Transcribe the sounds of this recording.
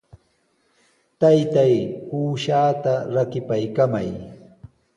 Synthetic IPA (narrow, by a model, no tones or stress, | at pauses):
t̪ajt̪ajpuːʃaːt̪aɾakɪpajkamaj